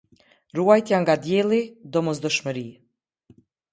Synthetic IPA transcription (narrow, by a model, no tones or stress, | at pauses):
ruajt̪jaŋɡad̪jɛlˠid̪ɔmɔsd̪ɔʃməɾi